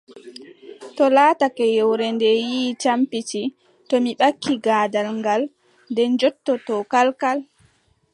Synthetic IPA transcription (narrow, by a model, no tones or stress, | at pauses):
tɔlaːtakɛjɛwɾɛndɛjiːt͡ʃampiti | tɔmiɓakʰːiɡaːdalŋɡal | ndɛnd͡ʒɔtːɔtɔkalkal